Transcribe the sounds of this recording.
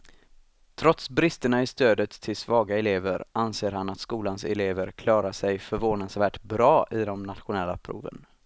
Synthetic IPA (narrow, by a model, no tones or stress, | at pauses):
t̪ʰɾɔt̪sbɾɪst̪əɳaɪst̪øːd̪ət̪ʰːɪlsvɑːɡaɛleːvəɾanseːɾhanat̪skuːlansɛ̰leːvəɾkʰlɑːɾaʂɛjfœɾvoːnansvæːʈbɾɑːʔɪd̪ɔmnat̪ɧʊnɛlːa̰pʰɾṵːvə̰n